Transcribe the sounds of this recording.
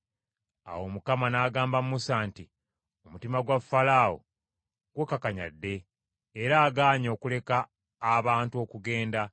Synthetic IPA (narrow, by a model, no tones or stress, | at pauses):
a̰wo̞mukamanaːɡaːmbammusaːnti | o̞mutimaɡwafːalaːwo̰ | ɡ̥wekakaɲa̰dːe̞ː | ɾaːɡaːɲo̞ːkule̞kaː | βaːntuo̞kuɡe̞ːnda